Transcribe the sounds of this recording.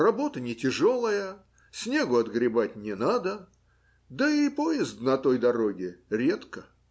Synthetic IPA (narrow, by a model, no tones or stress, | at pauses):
rɐbo̞t̪ənʲɪtʲɪʐolˠəjə | sʲnʲe̞ɡʊɐd̪ɡɾʲɪbatʲnʲɪnad̪ə | d̪əipojɪzd̪nɐt̪o̞jd̪ɐɾo̞ɡʲɪɾʲe̞t̪kə